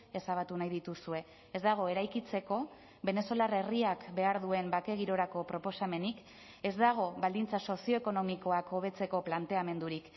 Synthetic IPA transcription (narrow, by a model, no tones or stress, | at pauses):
e̞saβ̞at̪unajðit̪usue̞ | ezd̪aɣ̞o̞e̞ɾajkit͡se̞ko̞ | βe̞ne̞so̞lare̞riakbe̞aɾðue̞mbake̞ɣ̞iɾo̞ɾako̞pɾo̞po̞same̞nik | e̞zd̪aɣ̞o̞βald̪int͡saso̞sio̞eko̞no̞miko̞ako̞β̞e̞t͡se̞ko̞plant̪e̞ame̞nd̪uɾik